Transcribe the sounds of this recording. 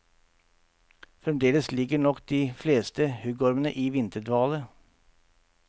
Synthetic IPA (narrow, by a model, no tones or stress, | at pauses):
fɾɛmd̪eːləslɪɡəɳɔkd̪̥iːfleːst̪əhʉɡɔɾmənəʔiːʋɪnt̪əɖ̪ʋɑːlə